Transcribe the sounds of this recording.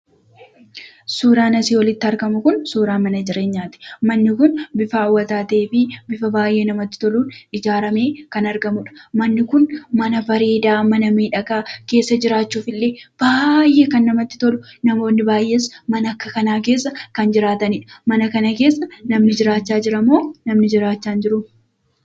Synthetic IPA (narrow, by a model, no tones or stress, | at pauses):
suːɾaːnɐsiːwɔlɪt̪ːɪɐɾɡɐmʊkʊnsuːɾaːmɐnɐd͡ʒɪɾe̞ːɲːaːt̪ɛ̥mɐnːɪkʊnbɪfɐːwːɐt̪aːt̪ɐeːfɪbɪfɐbaːjʔe̞ːnɐmɐt̪ːɪ̥t̪ɔluːnɪd͡ʒaːɾɐme̞ːkɐnɐɾɡɐmʊᶑɐ̥mɐnːɪkʊnmɐnɐfɐɾiːd̪aːmɐnɐmiːᶑɐkaːke̞ːsːɐd͡ʒɪɾaːt͡ʃːuːfɪlːeːb̥aːjʔeːkɐnːɐmɐt̪ːɪ̥t̪ɔlʊnɐmo̞ːnːɪbaːjʔe̞smɐnɐɐkːɐkɐnaːk̬e̞ːsːɐkɐnd͡ʒɪɾaːt̪ɐnɪᶑɐ̥mɐnɐkɐnɐke̞ːsːɐnɐmnɪd͡ʒɪɾaːt͡ʃːaːd͡ʒɪɾɐmːo̞ːnɐmnɪd͡ʒɪɾaːt͡ʃːaːnd͡ʒɪɾʊm